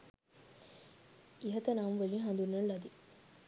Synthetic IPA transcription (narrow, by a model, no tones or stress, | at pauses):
iɦɐt̪ɐnamʋeliɦɐnd̪unːɐlɐd̪i